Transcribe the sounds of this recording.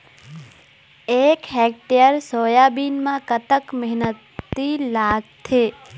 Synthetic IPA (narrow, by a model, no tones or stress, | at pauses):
eːkɦɛːk̚ʈejəɾsoːjaːbiːnmãkət̪əkmɛɦnət̪ːilaːɡ̚t̪ʰeː